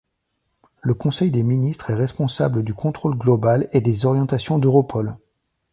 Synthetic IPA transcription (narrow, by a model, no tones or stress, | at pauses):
ləkɔ̃sɛjd̪eminist̪χɛʁɛspɔ̃sabləd̪ykʰɔ̃t̪χolɡlɔbaled̪ezɔʁjɑ̃t̪asjɔ̃d̪øʁɔpʰɔl